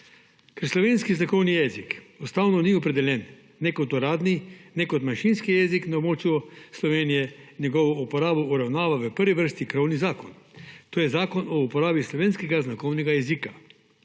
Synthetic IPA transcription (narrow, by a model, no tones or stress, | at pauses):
kɛɾslɔʋeːnskiznakɔwnijɛːzikɔst̪aːwnɔniɔpɾɛd̪ɛljɛnː | ɛkɔt̪ɔɾaːd̪ninɛkɔt̪manʃinskijɛziknaobmoːt͡ʃjuslɔʋeːnijɛnjɛɡɔːʋɔupɔɾaːbɔʔuɾawnaːʋaʋəpəɾʋiʋəɾst̪ikɾɔwnizaːkɔnt̪oːjɛzaːkɔnɔupɔɾaːbislɔʋeːnskɛɡaznakɔwnɛɡajɛzika